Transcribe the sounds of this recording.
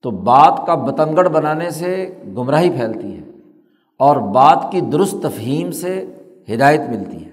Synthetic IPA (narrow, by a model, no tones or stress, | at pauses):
t̪oːbaːt̪kabɐt̪ə̃ŋɡəɽbɐnaːneseɡʊmɾaːɦipʰɛːlt̪iɦɛː | ɔːɾbaːt̪kid̪ʊɾʊst̪ːɐfɦiːmse | hɪd̪aːjət̪mɪlt̪ḭɦɛː